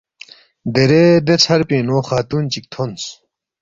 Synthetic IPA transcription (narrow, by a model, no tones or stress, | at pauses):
d̪eɾed̪et͡sʰɐɾpẽːnoːxaːt̪uːnt͡ɕik̚t̪ʰons